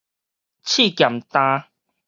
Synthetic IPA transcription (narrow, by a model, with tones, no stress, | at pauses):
t͡ɕʰi˥˨kja˨˩mt̪ã˧˦